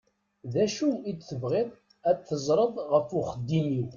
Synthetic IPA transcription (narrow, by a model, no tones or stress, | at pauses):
ðæʃuit͡sːθəvʁɪðˤ | æθəzˤɾˤəðˤʁəfuχəd̪ːiniw